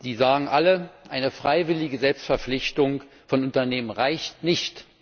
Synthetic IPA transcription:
z̥iːzaːɡŋ̩ʔaləʔaɪnəfʁ̥aɪvɪlɪɡəzɛlpstfɛɐflɪçtʊŋ | fɔnʊntɐneːmənʁaɪçtnɪçt

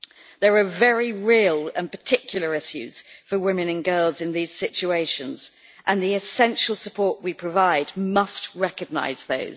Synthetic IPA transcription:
ðəɹəvɛɹiɹiːəlˠə̰̃npətʰɪkʰjl̩ˠəɹɪʃjʉ̰z̥fəwɪ̃mɨ̃nə̃nɡɜːlˠzɪ̃nðiz̥sɪt͡ʃueɪʃə̃nz̥ | ʔə̃nðiɪsɛ̃nʃəlˠsəpʰɔˑʔwipʰɹ̥əvaɪdmʌstɹɛkəɡ̚na̰ɪz̥ðə̰ʊz̥

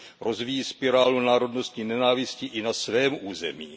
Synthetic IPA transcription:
ɾo̞zvijiːspɪɾaːlunaːɾo̞dno̞st̪ɲiːnɛnaːvɪscɪʔɪnasvɛːmʔuːzɛ̰miː

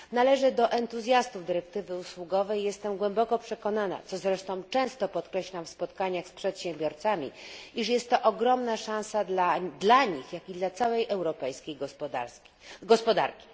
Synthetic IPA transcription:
nalɛʐɘd̪ɔʔɛnt̪uzʲjast̪uvd̪ɘɾɛk̚t̪ɘvɘuswuɡɔvɛjːɛst̪ɛmɡwɛmbɔkɔpʂɛkɔnana̰t̪sɔzɾɛʂt̪ɔ̃w̃t͡ʂɛ̃w̃st̪ɔpɔt̪kɾɛɕlamfspɔt̪kaɲaxspʂɛt̪ɕɛ̃mbʲɔɾt̪samʲḭiʂ̬jɛst̪ːɔʔɔɡɾɔmnaʂãw̃salad̪laɲixjakʲid̪lat̪sawɛjʔɛwɾɔpɛjskʲejɡ̪a | ɡɔspɔd̪a̰ɾkʲi̥

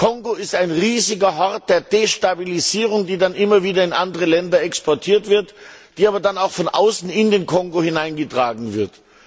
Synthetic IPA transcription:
kʰɔŋɡoɪstaɪnʁiːzɪɡɐɦɔɐt̚d̥eːɐdeʃtabiliziːʁ̞ʊŋdiːdanʔɪmɐviːdɐɪnʔandəʁəlɛndɐɛkspɔɐtʰiːɐtv̥ɪɐtd̥iːaːbɐdanaʊxfɔnʔa̰ʊsn̩ɪndeːnkʰɔŋɡohɪnaɪnɡətʁ̥aːɡŋ̩vɪɐt

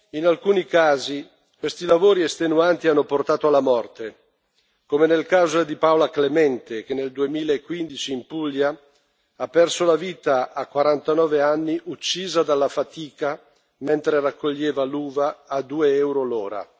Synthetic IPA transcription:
inalkuːnikaːzi | kwest̪ilavoːɾiest̪enuant̪ianːoport̪aːt̪oalːamɔrt̪e | komenelkaːzod̪ipaolaklemɛnt̪ek̟enːeld̪uemiːlaekːwind̪it͡ʃiːmpulja | apːɛrsolaviːt̪aːkwaɾant̪anɔːveanːiʔut͡ʃːiːzad̪alːafat̪iːka | ment̪ɾerakʰːoʎːeːvaluːvaːd̪uːeɛwɾoloːɾa̰

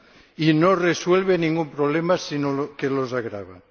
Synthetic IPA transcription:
inoreswelβenĩŋɡumpɾoβ̞lemasinokelozaɣɾa̰βa̰

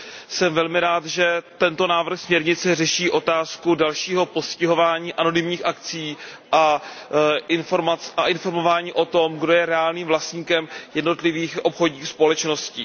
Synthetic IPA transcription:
sɛmvɛlmɪɾaːt̪ʒɛt̪ɛnt̪o̞naːvr̩xsmɲɛɾɲɪt͡sɛrɛʃiːʔo̞t̪aːskudalʃiːɦo̞po̞scɪɦo̞vaːɲiːʔano̞nɪmɲiːxʔakt͡siː | ʔa | ʔɪnfoɾmat͡saʔɪnfo̞ɾmo̞vaːɲiːʔo̞t̪o̞mɡdo̞jɛɾɛaːlniːmvlast̪ɲiːkɛmjɛdno̞t̪lɪviːxʔo̞pxo̞dɲiːxspo̞lɛt͡ʃno̞sci

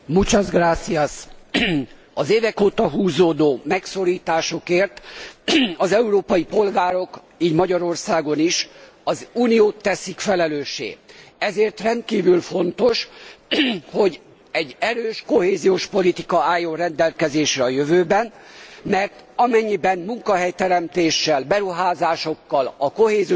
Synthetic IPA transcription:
mut͡ʃɒzɡraːt̪siɒs | ɒzeːvɛkoːt̪ɒɦuːzoːd̪oːmɛkso̞ɾiːt̪aːʃo̞keːrt̪ | ɒzɛuɾoːpɒjipo̞lɡaːɾo̞k | iːɟmɒɟɒɾo̞rsaːɡo̞niʃ | ɒzuːnijoːt̪ːɛsikfɛlɛløːʃːḛːɛzeːrt̪rɛnt̪̚kiːvylfo̞nt̪o̞ʃ | ho̞ɟ | ɛɟɛɾøːʃko̞heːzijoːʃpo̞lit̪ikɒaːjːorɛnd̪ɛlkɛzeːʃrɛɒjøvøːbɛn | mɛrt̪ɒmɛɲːibɛnmuŋkɒɦɛjt̪ɛɾɛmt̪eːʃːɛlbɛɾuɦaːzaːʃo̞kːɒlɒko̞heːzi

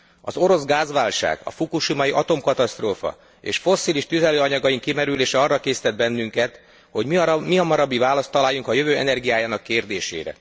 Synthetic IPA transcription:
ɒ̰zo̞ɾo̞zɡaːzʋaːlʃa̰ːɡ̥ɒ̰fukuʃimɒjiʔɒt̪o̞mkɒt̪ɒst̪roːfɒ̰ | ḛːʃfo̞sːiliʃt̪yzɛløːɒɲɒɡɒjiŋkimɛɾyleːʃɛɒrːɒkeːsi̥t̪ɛd̪̚bɛnːyŋkɛt̪ | ho̞ɟmimiɒmɒɾɒbːivaːlɒst̪ːɒlaːjːuŋkɒjø̞vøːɛ̰nɛrɡijaːjaːnɒkːeːrd̪eːʃḛːɾɛ̰

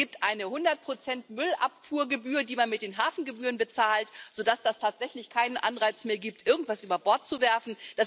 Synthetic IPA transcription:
iːp̚tʔaɪnəhʊndɐt̚pʁ̥ot͡sɛntmʏlʔa̰pfuːɐɡəbyːʁədiːmanmɪt̚d̥eːnɦaːfn̩ɡəbyːʁənbət͡saːltz̥oːdasd̥astʰaːtz̥ɛçlɪçkʰaɪnənʔa̰nʁaɪt͡smeːɐɡiːp̚tʔɪɐɡŋ̩tv̥asʔyːbɐbɔɐt̚t͡suvɛɐfn̩d̥as

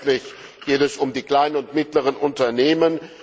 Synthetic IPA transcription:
tlɪç | ɡ̥eːtɛsʊmdiːkl̥aɪnənʊntmɪtləʁ̞ənʔʊntɐneːmən

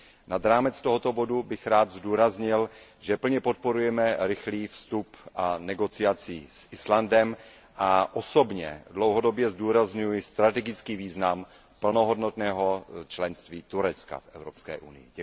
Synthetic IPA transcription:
nad̪ɾaːmɛt͡st̪oɦot̪obo̞dubɪxɾaːd̪zduːɾazɲɪlʒɛpl̩ɲɛpot̪̚po̞ɾujɛmɛɾɪxliːfst̪upʔanɛɡo̞t͡sɪat͡siːsʔɪslandɛm | ʔaʔoso̞bɲɛ̰dlowɦodo̞bjɛzduːɾazɲujɪst̪ɾat̪ɛɡɪt͡skiːviːznam | pl̩noɦo̞dnot̪nɛːɦo̞t͡ʃlɛnst̪viːt̪uɾɛt͡ska̰fʔɛvɾopskɛ̰ːʔṵnɪ̰jɪ̰ɟɛ

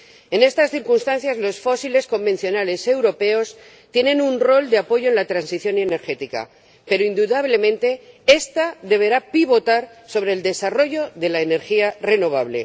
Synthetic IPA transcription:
e̞ne̞st̪asθiɾkunst̪an̟θjazlo̞sfo̞sile̞sko̞mbẽ̞n̟θjo̞nale̞se̞wɾo̞pe̞o̞s | t̪je̞nẽ̞nunro̞ld̪eapo̞ʝo̞e̞nlat̪ɾansiθjo̞ne̞ne̞ɾxe̞t̪ika̰ | pe̞ɾoind̪uðaβ̞le̞mẽnt̪e̞e̞st̪aðe̞β̞e̞ɾapiβo̞t̪aɾso̞βɾe̞ːld̪e̞saro̞ʝo̞ðe̞laene̞ɾxiare̞no̞β̞aβ̞le̞̰

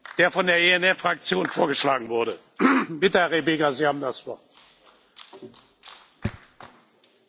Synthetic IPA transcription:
d̥eːɐfɔndeːɐʔeːɛnɛfʁ̥ak̚t͡sjoːnfoːɐɡəʃlaːɡŋ̩vʊɐɾə | bɪtəhæɐʁebeːɡɐziːhaːbm̩dasv̥ɔɐt

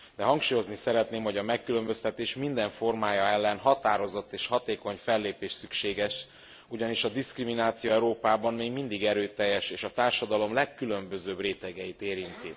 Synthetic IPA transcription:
d̪ɛɦɒŋkʃuːjo̞znisɛɾɛt̪neːmho̞ɟɒmɛkːylø̞mbø̞st̪ɛt̪eːʃmind̪ɛɱfo̞rmaːjɒɛlːɛnɦɒt̪aːɾo̞zo̞t̪ːeːʃhɒt̪eːko̞ɲfɛlːeːpeːʃsykʃeːɡɛʃ | uɟɒniʃɒd̪iskriminaːt̪sijoɛɾoːpaːbɒmmeːɡmind̪iɡɛɾøːt̪ɛjːɛʃeːʃɒt̪aːrʃɒd̪ɒlo̞mlɛkːylø̞mbø̞zøːbreːt̪ɛɡɛjit̪eːɾint̪i

